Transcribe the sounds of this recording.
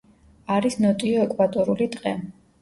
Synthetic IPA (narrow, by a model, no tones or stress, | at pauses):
aɾisnɔt̪ʼiɔɛkʼvat̪ʼɔɾulid̪qʼɛ